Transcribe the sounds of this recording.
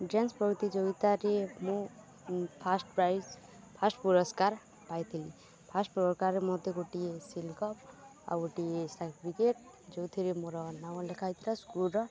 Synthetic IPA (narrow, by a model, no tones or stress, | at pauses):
ɖenspɔɡt̪id͡ʒoɡit̪aɾemũ | pʰasʈpɾajz | pʰasʈpuɾɔskaɾ | pajt̪ʰili | pʰasʈpuɔkaɾemɔd̪ʱeɡoʈiesilkɔpa̰ɡoʈiesaʈʰipʰikeʈ̚ | d͡ʒowt̪ʰiɾemoɾɔnawlekʰajt̪ʰiɾaskulɾɔ